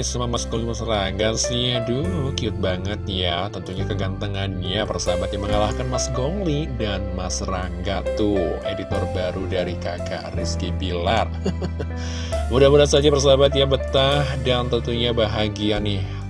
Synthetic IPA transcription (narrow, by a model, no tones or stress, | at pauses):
sumamasɡoŋimasraŋɡasiadulukiʊt̪̚baŋət̪̚jat̪ənt̪uɲakəɡant̪əŋanjapərsabat̪̚ɲaməŋalahkanmasɡoŋlidanmasraŋɡat̪uedit̪ɔrbaɾudaɾikaka̰rɪskibilar | mudahbulat̪sad͡ʒapərs̬abat̪jabət̪ahdant̪ənt̪uɲabaɦaɡianɪh